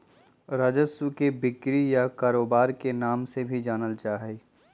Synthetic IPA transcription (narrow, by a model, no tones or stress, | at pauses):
ɾaːd͡ʒəsəkebɪkɾijakaːɾoːbaːɾkenaːmsebʱid͡ʒaːnəlt͡ʃaːɦɛː